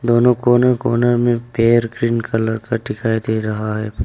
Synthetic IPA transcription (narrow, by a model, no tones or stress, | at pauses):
d̪oːnõkoːnəɾkoːnəɾmẽpeːəɾɡɾiːnkalɐɾkʰaʈɪkʰaːed̪eɾɐɦaɦɛː